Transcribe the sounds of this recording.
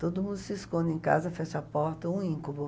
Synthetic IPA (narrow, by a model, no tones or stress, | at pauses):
t̪od̪ʊmũnd̪ʊsɪskõnd̪ẽj̃ka̰zɐfɛʃɐapɔɾt̪ɐũĩŋkubʊ